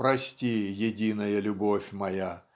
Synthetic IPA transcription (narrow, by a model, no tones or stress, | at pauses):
pɾɐsʲtʲijɪdʲinəjəlʲʊbofʲmɐja